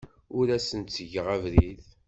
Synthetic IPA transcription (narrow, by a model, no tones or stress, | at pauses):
ʊɾæsənt̪səʝəʁævɾiθ